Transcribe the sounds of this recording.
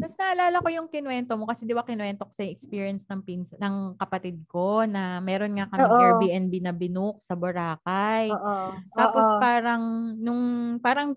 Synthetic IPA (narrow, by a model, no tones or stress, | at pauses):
t̪ɐsnɐʔɐlaːlɐko̞jʊŋkɪnwɛnt̪omo̞kɐsɛd̪ɪbakɪnwɛnt̪okɐ̥sɛŋɛkspiːɹijɐnsnɐŋpinsɐnɐŋkɐpɐt̪id̪̚ko̞nɐmɛːɾonŋakɐmːɪɛɹbiʔɛnbinɐbɪnuk̚sɐbʊɾaːkɐjʔt̪aːpospaːɾɐŋnʊŋpaːɾɐŋ